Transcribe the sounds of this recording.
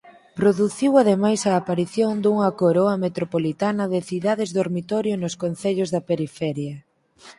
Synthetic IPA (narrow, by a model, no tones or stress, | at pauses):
pɾoðuθiwaðemajsɐːpaɾiθjoŋd̪uŋɐkoɾoɐmet̪ɾopolit̪anɐðɪθiðaðɪzðoɾmit̪ɔɾjonoskonθeʎozðɐpeɾifɛɾjɐ